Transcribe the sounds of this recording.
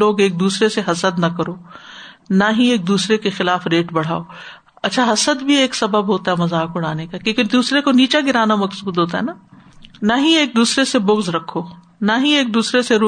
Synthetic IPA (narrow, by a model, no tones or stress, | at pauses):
loːɡeːk̚d̪uːsɾeseɦɐsəd̪nɐkɐɾoː | naɦĩeːk̚d̪uːsɾekexɪlaːfɾeːʈbɐɽ̤a̰ːoː | ɐtːʃʰaɦɐsəd̪bʱieːksɐbəbɦoːt̪aɦɛmɐzaːkʊɽ̤aːnekakõːkend̪uːsɾekoniːt͡ʃaɡɪɾaːnamɐksuːd̪ɦoːt̪̬a̰ɦɛ̰nanaɦĩeːk̚d̪uːsɾesebʊɣzɾɐkʰːoː | naɦĩeːk̚d̪uːsɾeseɾu